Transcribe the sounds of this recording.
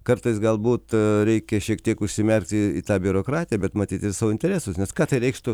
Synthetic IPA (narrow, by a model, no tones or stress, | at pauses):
kɐɾt̪ɐɪsɡɐlˠbuːt̪ɾʲɛɪkʲɛʃʲiɛkt̪ʲiɛkʊʃʲsʲɪmʲɛrʲkt̪ʲɪiːt̪ɑːbʲʊɾoːkɾɑːt̪ʲɪjɛbʲɛt̪mɐt̪ʲiːt̪ɪɾsɑːʋoɪnʲt̪ʲɛɾʲæːsʊsnʲɛskɑːt̪ɐɪɾʲɛɪkʃt̪ʊ